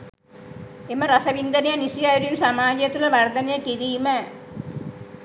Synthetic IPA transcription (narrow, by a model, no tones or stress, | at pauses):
eməɾasɐʋind̪ɐnejɐnisijajɾijunsamaːd͡ʒjɐt̪ulɐʋard̪ɐnejɐkiɾiːmə